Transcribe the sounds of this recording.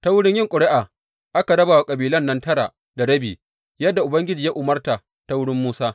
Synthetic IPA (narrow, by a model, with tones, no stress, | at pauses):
ta˦wʊ˦ɽɪ˦ɲjɪ˦ŋkʷʼʊ˨ɽɪ˦ʔaː˨ | ʔa˦ka˨ɽɐ˦baː˨wa˨kʼɐ˨biː˨lɐ˦nːɐ˦ntɐ˦ɽa˨ʔ | da˨ɽɐ˦biː˨ | jɐ˦dːa˨ʔʊ˨bɐ˦ŋɡʲɪ˦d͡ʒiː˨ja˦ʔʊ˨mɐ˦rta˨ | ta˦wʊ˦ɽɪ˦mːuː˦saː˦